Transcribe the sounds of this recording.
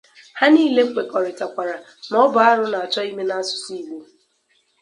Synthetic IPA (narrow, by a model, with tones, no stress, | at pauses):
ha˦niː˦le˦ŋ͡m̩˦k͡pe˨kɔ˨ɾɪ˨ta˨kʷa˨ɾa˨ | nɔ˦bʊ˨a˦ɾʊ˦na˨a˨t͡ʃɔ˦i˦me˦na˦sʊ̥˦si˦˨ɡ͡be˦